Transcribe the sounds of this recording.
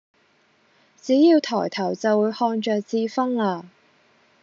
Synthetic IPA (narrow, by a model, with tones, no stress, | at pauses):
t͡siː˨˥jiː˨˧wt̪ʰɔː˨˩jt̪ʰɐ˨˩wt͡sɐ˨wuː˨˧jhɔː˧ŋt͡ʃœː˨k̚t͡siː˧fɐ˥ŋlaː˧